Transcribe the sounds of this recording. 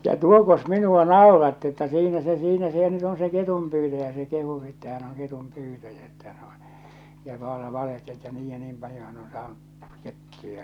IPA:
jɑ tuokos minuɑ nɑˑorɑtːi etːæ siːnæ se siːnæ se nyt on se ketumpyːtæjæ se kehu etːæ hæn oŋ ketumpyːtæjæ etːæ hæn o jɑ ʋɑlɑ ʋɑlehteli etːæ niːj jɑ niːm pɑljo hæn on sɑːnuʔ ketːujɑ

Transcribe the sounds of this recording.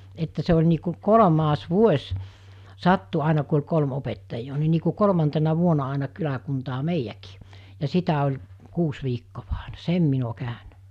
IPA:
etːæ se olʲ niː ku kolŏmɑs ʋuosʲ sɑtːu ɑˑinɑ ku olʲ kolm opetːɑijːoː ni niː ku kolŏmɑntenɑ ʋuonɑ ɑˑenɑ kylækuntɑː meijːæki̥ː jɑ sitæ olʲ kuːs ʋiːkːoʋɑ̥ ɑ̥ˑe̥n̥ɑ̥ sem min o kæˑønæ̥

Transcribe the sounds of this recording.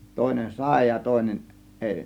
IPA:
toˑe̝nen sɑˑe̝ jɑ toˑe̝nen ʔeˑi

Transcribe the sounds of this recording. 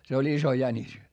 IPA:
se olʲ iso jænʲis

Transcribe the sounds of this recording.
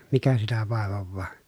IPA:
mikæ sitæ ʋɑˑeʋoʋːɑː

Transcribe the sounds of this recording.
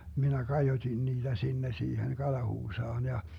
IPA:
minæ kɑjotin niːd̥æ sinːe siːhen kɑlɑhuːsɑːn jɑ

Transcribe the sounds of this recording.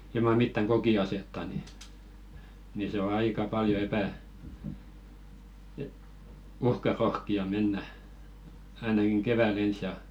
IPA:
ilmɑ mitːæŋ ɡ̊okiɑsetːɑ ni ni se o ɑikɑ pɑljo epæ e uhkɑrohkiɑ menːæ ɑinɑkiŋ keʋæl ens jɑ

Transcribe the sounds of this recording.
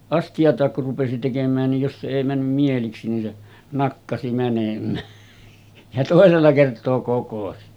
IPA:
ɑstiɑtˑɑːk kur rupesi tekemˑæːn nij jos se eˑi mænːym mieliksi nin se nɑkːɑsi mænemˑæː jɑ toˑeselːɑ kertˑoː kokosi

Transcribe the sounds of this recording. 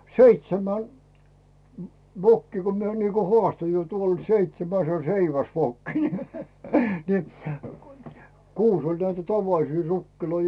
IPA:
seitsemæn ʋokːiː ko mie niːko hoɑˑsto jo tuol seitsemæs se o seiʋæsʋokːi ne ni kuːs olʲ næitæ tɑʋɑlisiː rukːiloi

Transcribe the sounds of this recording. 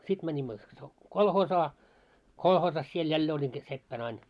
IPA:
sit mænʲimːø so kolhoːsɑː kolhoːsɑs siel jælːeː olʲin sit sepːæn ɑin

